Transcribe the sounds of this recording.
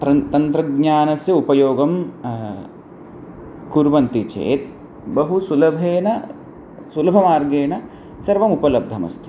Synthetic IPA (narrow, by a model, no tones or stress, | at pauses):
ɐt̪ɐnt̪ɾɐɡɲaːnɐsjɐupɐjoːɡɐm | kuɾʋɐnt̪it͡ʃḛːt̪̚ | bɐɦusulɐbʱeːnɐ | sulɐbʱɐmaːɾɡeːɳɐ | sɐɾʋɐmupɐlɐb̚d̪ʱɐmɐ̰st̪ʰi̥